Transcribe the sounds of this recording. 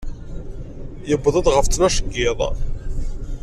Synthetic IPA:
jəbːðˤəðˤʁəft͡snæʃəɡːɪðˤ

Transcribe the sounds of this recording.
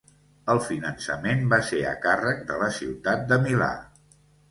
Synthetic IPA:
əlˠfinənsəmenbaseə̰karək̚d̪ələsiwt̪at̪̚d̪əmila̰

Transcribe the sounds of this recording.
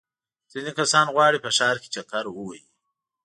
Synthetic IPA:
z̥inikasɑnɣwɑɽipəʃɑɾke̥t͡ʃakaɾwəwaji

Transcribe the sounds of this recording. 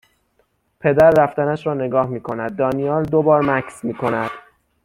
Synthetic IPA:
pʰe̞d̪æɾːæft̪ænæʃɾɒːne̞ɡɒːhmiːkʰo̞næd̪ːɒːnijɒːld̪obɒːɾmæksmiːkʰo̞næd̪̥

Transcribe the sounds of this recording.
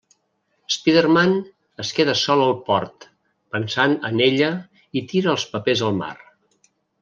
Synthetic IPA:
spiðərman | əskeðəsɔləlˠpɔɾt̪ | pənsanə̰neʎə | it̪iɾəːlˠspəpezəlˠma̰r

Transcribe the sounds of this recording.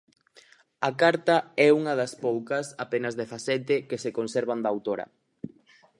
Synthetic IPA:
ɐkaɾt̪ɐɛuŋɐðɐspowkɐsapenɐzðɛθasɛt̪ekesekonsɛɾβand̪ɐawt̪oɾɐ̰

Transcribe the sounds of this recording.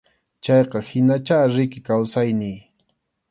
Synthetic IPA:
t͡ʃɑjqɑhɪnat͡ʃaːɾɪkɪkawsajnɪj

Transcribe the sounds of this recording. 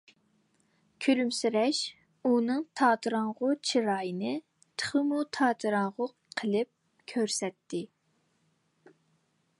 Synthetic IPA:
kʲʰyɾymsyɾɛʃ | unɨŋt̪ʰɑːt̪ʰɨɾɑŋʁʊt͡ʃʰiɾɑːjɨnɨ | t̪ʰə̥χəmut̪ʰɑːt̪ʰɨɾɑŋʁʊqʰːəlˠɨp̚ | kʲʰøɾsɛt̪ʰːɪ

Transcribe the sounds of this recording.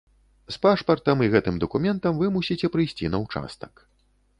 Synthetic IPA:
spaʂpɐrt̪ɐmiɣɛt̪ɨmd̪ɐkumʲɛnt̪ɐmvɨmusʲit͡sʲɛpɾɨjsʲt͡sʲinɐwt͡ʂa̰st̪ɐ̥k

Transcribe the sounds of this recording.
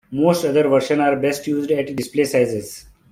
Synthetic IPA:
moːsʈʌd̪əɾʋəɾʃə̃naːɾbɛsʈjuːzɖɛʈɖɪspleːsaɪzez

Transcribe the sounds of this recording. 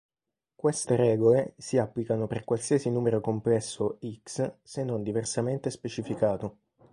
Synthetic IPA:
kwest̪eɾɛːɡolesiapːlikanoperkwalsiasinuːmeɾokomplɛsːoikssenːond̪iversament̪espet͡ʃifikaːt̪o

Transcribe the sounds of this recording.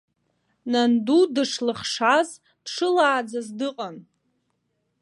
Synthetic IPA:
nandudɨʂlɨχʂaz | dʂɨlaːd͡zazdɨqʼan

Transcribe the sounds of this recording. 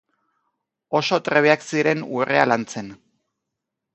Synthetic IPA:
o̞so̞t̪ɾe̞βeaksiɾe̞nṵre̞alant͡se̞n

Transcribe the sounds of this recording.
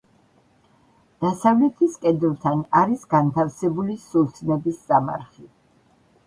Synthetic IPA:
d̪̥asavlɛt̪ʰiskʼɛd̪lˠt̪ʰanaɾisɡant̪ʰafsɛbulisusʰnɛbist̪sʼama̰ɾχi

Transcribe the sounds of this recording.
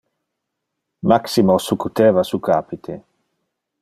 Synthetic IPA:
maksimosukːut̪eːvasukaːpit̪ʰe

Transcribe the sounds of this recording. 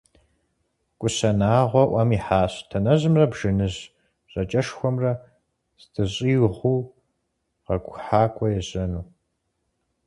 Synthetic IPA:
kʷʼʊsɐnaːʁʷɔʔʷɐmiːħaːɕtʰɐnɐʑɨmrɐbʒ̥ɨnɨʑ | ɕʼɐt͡ʃʼɐʂxʷɔmrɐ | z̥tʰɨɕʼiːwʁʷuː | ʁɐkʷʼħaːkʷʰʼɔjɛʑɐnuː

